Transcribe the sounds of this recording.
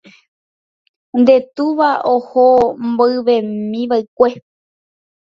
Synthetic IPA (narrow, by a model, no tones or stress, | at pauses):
nd̪e̞t̪uʋaohomboɨʋe̞mĩʋaɨkʷe